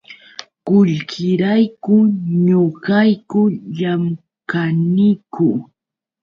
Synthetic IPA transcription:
kʊʎkʰɪɾajkʊɲʊɢajkʊʎam | kanɪkʊ

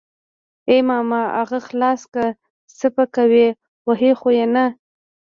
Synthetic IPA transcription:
emɑmɑa̰ɣaxlɑska | səpakawe | waɦexojena

